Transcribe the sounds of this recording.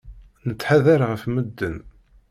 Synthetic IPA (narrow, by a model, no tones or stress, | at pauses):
nət͡sːħaðæɾʁəfməd̪ːən